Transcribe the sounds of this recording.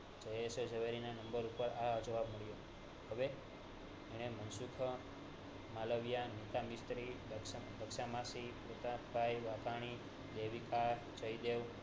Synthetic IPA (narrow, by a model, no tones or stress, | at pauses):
d͡ʒəjesod͡ʒəʋeɾinanəmbəɾupəɾad͡ʒoʋabməɭjo | ɦəʋe | eɽ̃emənsukʰə | maləʋjanit̪amist̪ɾilələkʃamasipɾot̪at̪bajʋak̪aɽ̃i | d̪eʋika | t͡ʃəjd̪eʋ